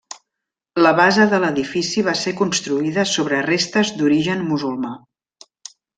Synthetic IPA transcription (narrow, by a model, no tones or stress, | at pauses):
ləβazəðələðifisiβ̞asekunst̪ɾuiðəsoβɾərest̪əzd̪uɾiʒənmuzulˠma